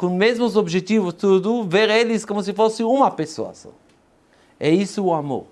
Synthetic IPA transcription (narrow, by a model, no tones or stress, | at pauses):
kõmezmʊz̬obʒet̪ivʊst̪ud̪ʊveɾelɪskomʊs̬ɪfosɪũmɐpeso̰a̰sɐ̰̃ | ɛisʊːamo̰ɾ